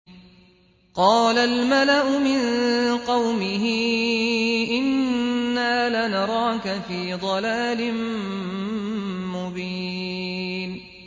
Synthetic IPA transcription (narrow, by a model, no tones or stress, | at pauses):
qɑːlalmalaʔʊmɪnqɑwmɪɦɪ | ʔɪnːaːlanɑɾˤɑːkafiːd̪ˤɑlaːlɪm | mʊbiː | n